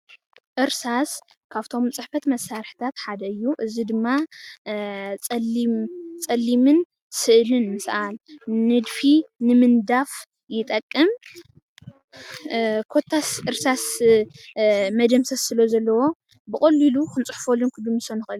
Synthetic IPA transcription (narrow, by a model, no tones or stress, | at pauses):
ʔɨɾsas | kʰaβt̪ʰo̞mt͡sʼɨħfɐt̪mɐsːaɾħt̪ʰat̪ħad̪ɐɨjːuʔɨzid̪ɨmːa | t͡sʼɐmt͡sʼɐlːimɨn | sɨʔlɨnmɨsʔalnɨd̪finɨmɨnd̪af | jɪt̪ʼɐkʼːɨm | kʰo̞t̪ʰːasɨɾsas | mɐd̪ɐmsɐssɨlɐzɐlːɐwo̞ | bɨkʼɐlːilukɨnt͡sʼɨħfolːɨnkʰɨd̪ɨmɨsonɨxʔɨlu